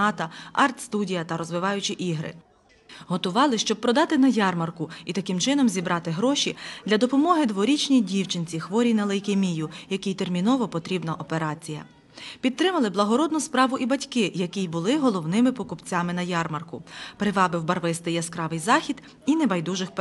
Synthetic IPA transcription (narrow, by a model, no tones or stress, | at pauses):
ɑt̪ɐɑrt̪st̪udʲijɐt̪ɐɾɔzʋɪʋɑjʊt͡ʃiʔiɦɾɪ̰ | ɦɔt̪ʊʋɑlˠɪʃt͡ʃɔb̚pɾɔd̪ɑt̪ɪnɐjɑrmɐrkʊit̪ɐkɪmt͡ʃɪnɔmzʲibɾʔɑt̪ɪɦɾɔʃʲid̪̥lʲɐd̪ɔpɔmɔɦɪd̪ʋɔɾʲit͡ʃnʲijdʲiwt͡ʃɪnʲt͡sʲixʋɔɾʲinɐlˠɪjkemʲijʊjɐkʲijt̪ermʲinɔʋɔpɔt̪ɾʲibnɐʔɔpeɾɑt͡sʲijɐ̰ | pʲidt̪̚t̪ːɾɪmɐlˠɪblˠɐɦɔɾɔd̪̚nʊspɾɑʋʊʔibɐtʲkɪjɐkʲijbʊlˠɪɦɔlˠɔwnɪmɪpɔkʊpt͡sʲamɪnɐjɑrmɐrkʊpɾɪʋɑbɪwbɐrʋɪst̪ɪjɐskɾɑʋɪjzɑxʲid̪ | inɛbɐjd̪uʒɪxp